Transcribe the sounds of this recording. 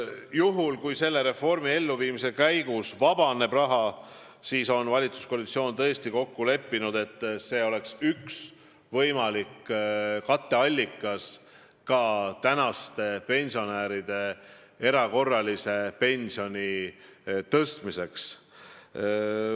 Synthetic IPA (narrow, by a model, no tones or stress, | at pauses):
juɦulkujse̞lːe̞ɾe̞fo̞rmie̞lːuviːmise̞kæjɡ̥usvɑbɑne̞b̥rɑɦɑ | siːso̞nvɑlʲit̪su̥skoːlit̪sio̞ːnt̪ɤ̞est̪iko̞kːule̞pːinud̪e̞t̪ːˑse̞ːo̞le̞ksyks | vɤjmɑlikːkɑt̪ːe̞ɑlʲːikːˑɑs | kɑt̪ænɑst̪e̞pe̞nʲsio̞næːɾid̪̥e̞ | e̞ɾɑko̞rːɑlise̞pe̞nʲsio̞nʲi | t̪ɤst̪mise̞ks